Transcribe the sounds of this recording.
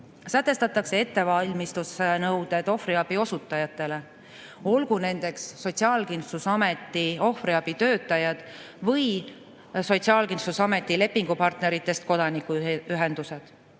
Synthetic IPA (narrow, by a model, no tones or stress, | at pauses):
sæt̪ˑːe̞st̪ɑt̪ːˑɑkse̞e̞t̪ːe̞vɑlʲmist̪usnɤwd̪̥e̞d̪̥o̞friɑb̥io̞sut̪ːˑɑjɑt̪ːˑe̞le̞ | o̞lɡune̞nd̪̥e̞ksːo̞t̪siɑːlkinsusɑme̞t̪ːˑio̞friɑb̥it̪ø̞ːt̪ːˑɑjɑd̪̥ | vɤj | so̞t̪siɑːlkinsusɑme̞t̪ːˑile̞pːiŋɡ̥upɑrt̪neɾit̪ːˑe̞st̪̚ko̞d̪̥ɑnikːuyɦe̞nd̪use̞d̪̥